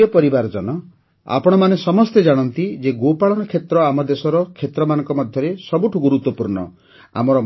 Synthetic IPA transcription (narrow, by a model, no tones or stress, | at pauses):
ɔpɔɾibaɾd͡ʒɔnɔ | a̰pɔɽ̃ɔmanesɔmɔst̪ed͡ʒaɽ̃ɔnt̪id͡ʒeɡopaɭɔnɔkʰet̪ɾɔamɔd̪esɔɾɔkʰet̪ɾɔmanɔ̃ŋkɔmɔd̪ʱjɔɾesɔbuʈʰuɡuɾut̪wɔpuɾɳɔ̰ | a̰mɔɾɔ